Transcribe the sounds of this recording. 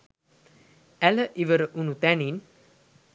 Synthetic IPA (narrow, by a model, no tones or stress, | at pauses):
æləʔiʋəɾəʔunut̪ænin